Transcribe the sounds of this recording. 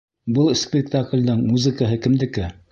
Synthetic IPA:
bɤlˠspʲɪk̚t̪aklʲd̪ɤɴmuzɘ̆kəɦɤkɘ̆md̪ɘ̆kɘ

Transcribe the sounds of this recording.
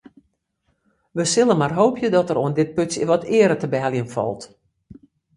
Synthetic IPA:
ʋəsɪlˠənmarɦoːpʰjədɔtəɾoəndɪt̚pøtsəʋɔtʰɪəɾətəbɛːlˠjənfɔ̰lˠt

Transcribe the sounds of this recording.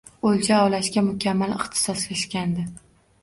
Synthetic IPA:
olʲt͡ʃʰaɒwlaʃkʲamʊkʲʰamːalɪχt̪ʰɪ̥sɒseʃkʲand̪ɪ

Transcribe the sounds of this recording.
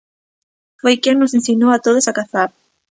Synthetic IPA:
fojkeŋnosensinoat̪oðesakaθaɾ

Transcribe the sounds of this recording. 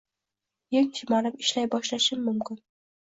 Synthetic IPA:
jeŋt̪ʰɪmanɪpɪʃlajbɒʃlaʃɪmːʊmkʲɪn

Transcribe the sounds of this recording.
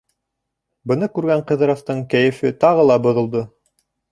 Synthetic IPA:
bɤ̆nɤkʉɾɡæɴqɤ̆ðɤ̆ɾɑft̪ɤɴkæjɘ̆fɘt̪ɑʁɤlˠɑbɤ̆ðɤ̆lˠd̪ɤ

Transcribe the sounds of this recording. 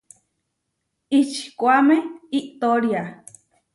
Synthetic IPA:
it͡ʃi̥kʷameiʔt̪oɾja

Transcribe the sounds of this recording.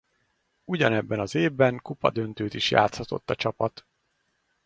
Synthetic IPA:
uɟɒnɛbːɛnɒzeːvːɛŋkupɒ̰d̪ønt̪øːt̪iʃja̰ːt̪shɒt̪o̞̰t̪ːɒt͡ʃɒpɒt̪

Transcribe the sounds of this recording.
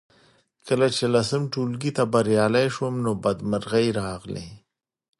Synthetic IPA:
kəlat͡ʃelasəmʈulɡit̪abaɾjɑlajʃwəmnobad̪məɾɣajɾɑɣlḛ

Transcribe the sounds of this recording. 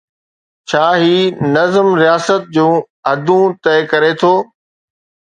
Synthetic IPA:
t͡ɕʰaːɦiːnɐzəmɾijaːsət̪̚d͡ʑũː | ɐd̪ʱũt̪ɐɪkɐɾet̪ʰoː

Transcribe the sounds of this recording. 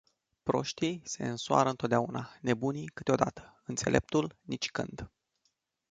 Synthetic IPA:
pɾo̞ʃt̪ijse̞̰ɨnsoa̰ɾəɨnt̪ot̪d̪aunane̞bunikɨt̪eo̞d̪at̪ə̥ɨnt̪se̞lʔe̞̰p̚t̪ulnit͡ʃʲkɨ̰nd̪

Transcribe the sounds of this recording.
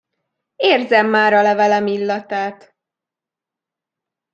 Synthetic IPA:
eːrzɛmːaːɾɒlɛvɛlɛmilːɒt̪aːt̪

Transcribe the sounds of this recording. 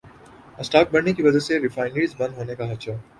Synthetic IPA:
əsʈaːk̚bɐɽnekiʋɐd͡ʒaseɾɪfaːɪnɖiːzbɐ̃nɦoːnekaɦɐt͡ʃaː

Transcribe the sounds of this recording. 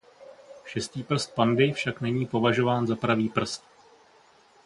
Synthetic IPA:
ʃɛst̪iːpr̩st̪̚pandɪfʃaknɛɲiːpo̞vaʒo̞vaːnzapɾaviːpr̩st̪̚

